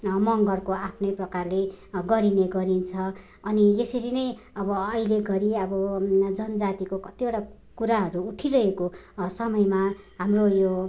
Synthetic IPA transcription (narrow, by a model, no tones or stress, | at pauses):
mʌŋɡʌrkoapʰnʌjprʌkarleɡʌɾineɡʌɾint͡sʰʌː | niesʌɾinʌj | ʌbʌːjleɡʌɾiʌbʌd͡zʌnʌd͡zat̪ikokʌt̪ioʈa | kuɾaɦʌɾuːʈʰirʌɦeko | sʌmʌjma | ɦamrojo